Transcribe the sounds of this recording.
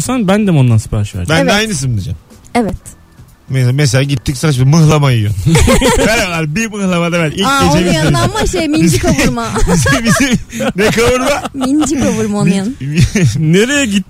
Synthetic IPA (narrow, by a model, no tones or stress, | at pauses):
sanbænd̪ɛmond̪ansɯ̥pʰaɾʃa̰bænd̪ɛajnɯs̬ɯnd̪id͡ʒa̰mɛvɛt̪ | mesames̬elʲaːɟit̪ːicsavat͡ʃ̬bimɯɦlˠamajɯjo̰ | veɾalaɾbimɯhlˠamad̪aβænʲilʲkːɟet͡ʃebijanmaʃejmiiid͡ʒikʰaɾmaizbizi | nɛkʰavɯɾmamind͡ʒikavuɾmonjan | neɾejɛɟit̪̚ː